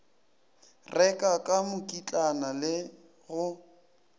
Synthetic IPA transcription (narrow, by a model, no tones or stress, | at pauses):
rʔɛkʼakʼamʊkʼit͡ɬʼanalɪ | ɣʊ